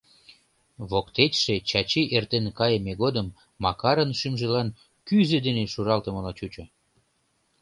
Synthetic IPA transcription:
βokt̪et̪ʲʃet͡ɕɑt͡ɕiʔert̪enkɑjemeɣod̪əmː | ɑkɑɾənʃymʒĕlɑn | kyzed̪eneʃuɾɑlt̪ə̆mə̆lɑt͡ɕut͡ɕo

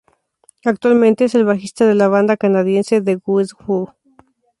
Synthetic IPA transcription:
ak̚t̪walmẽnt̪e̞ese̞lβaxist̪aðe̞laβand̪akanaðje̞nseðe̞ɡusɡu

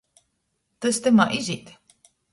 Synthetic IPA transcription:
t̪ɨst̪ɨmaʔizʲit̪

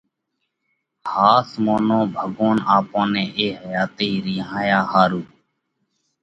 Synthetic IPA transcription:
haːsmoːnõːbʱəɡoːnaːpõːnẽːʔeːɦəjaːt̪iːɾɪ̃ːɦãːjaːhaːɾuː

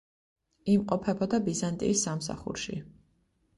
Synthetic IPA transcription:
imqʼɔpʰɛbɔd̪abizant̪ʼḭːsːamsa̰χṵɾʃḭ

